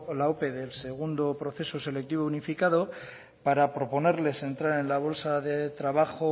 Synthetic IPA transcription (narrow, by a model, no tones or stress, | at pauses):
laope̞ðe̞lse̞ɣ̞und̪opɾo̞θe̞sose̞le̞k̚t̪iβ̞ounifikað̞o̞ | paɾapɾo̞po̞ne̞ɾle̞se̞nt̪ɾaɾe̞nlaβ̞o̞lsaðe̞t̪ɾaβaxo